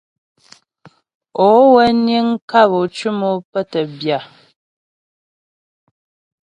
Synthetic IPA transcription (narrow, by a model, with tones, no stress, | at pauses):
o˨˦wɛ˦nje˦ŋka˦˨βo˨t͡ʃu˦mo˦pə˦tə˨bja˨